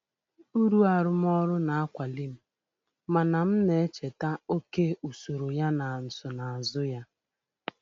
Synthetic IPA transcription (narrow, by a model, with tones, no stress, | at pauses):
u˦ɾu˦a˨ɾʊ˦m˦ɔ˦ɾʊ˦na˨a˦kʷa˨li˦m̩˦˨ | ma˨na˨m̩˦ne˨e˦t͡ʃe˨ta˦o˦ke˦u˨so˨ɾo˨ja˦na˨n̩˨sʊ˨na˨a˨zʊ˦ja˦